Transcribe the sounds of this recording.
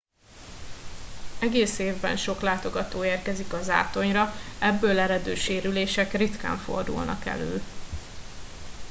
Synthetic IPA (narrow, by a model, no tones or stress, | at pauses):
ɛɡeːseːvbɛ̰nʃo̞klaːt̪o̞ɡɒt̪oːeːrkɛzikɒza̰ːt̪o̞ɲrɒɛbːøːlɛɾɛd̪øːʃeːɾyleːʃɛkrit̪ka̰ːɱfo̞̰rd̪ṵlnɒ̰kɛ̰lø̰ː